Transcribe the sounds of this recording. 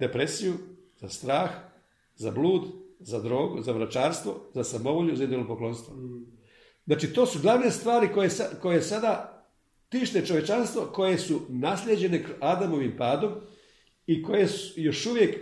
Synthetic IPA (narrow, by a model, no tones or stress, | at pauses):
d̪e̞pɾesijuzast̪ɾaːx | zabluːd̪zad̪ɾo̞ːɡuzaʋɾat͡ʃaːɾst̪ʋo̞zasamo̞ʋoʎɲuzaid̪olopoklˠo̞ːnst̪ʋo | znaːt͡ʃit̪o̞ːsuɡlˠaʋniest̪ʋaːɾikojesako̞je̞sad̪a | t̪iːʃt̪e̞t͡ʃo̞ʋje̞t͡ʃanst̪ʋo̞ko̞je̞sunaslʲjed͡ʑe̞ne̞kad̪amo̞ʋimpaːd̪o̞m | iko̞je̞sujo̞ʃuʋje̞k